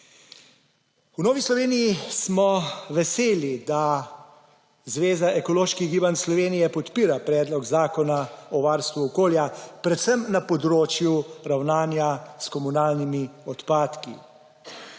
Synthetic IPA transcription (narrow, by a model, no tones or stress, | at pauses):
unoːʋislɔʋeːnijismɔʋɛseːlid̪a | zʋeːzaʔɛkɔloːʃkiɡiːbanslɔʋeːnijɛpɔt̪piːɾapɾɛːd̪lɔɡzaːkɔnaɔʋaɾst̪ʋuɔkoːljapɾɛt̪səmnapɔd̪ɾoːt͡ʃjuɾawnaːnjaskɔmunaːlnimiɔt̪paːt̪kḭ